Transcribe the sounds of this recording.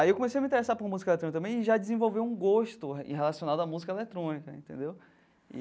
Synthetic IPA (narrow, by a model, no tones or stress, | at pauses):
aiewkõmesejɐmĩt̪eɾesaɾpoɾɐmuzikɐelet̪ɾõnikt̪ɐ̃mẽj̃ɪʒad͡ʒizẽvowvewũɡoʃt̪ʊ̰ɦelasionad̪ʊɐmuzikɐelet̪ɾõnikɐḛ̃nt̪ẽd̪ew | ḭ